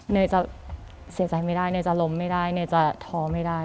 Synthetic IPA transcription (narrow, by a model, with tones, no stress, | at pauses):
nɯ˧˩jt͡ɕa˨˩ | si˨˩˦t͡ɕa˨˧˩jma˥˩jdaː˥˩jnɯ˧˥˩t͡ɕa˨˩lo˧˦˥mːa˥˩jdaː˥˩jnɯː˧˩jt͡ɕa˨˩t̪ʰɔː˧˥ma˥˩jdaː˥˩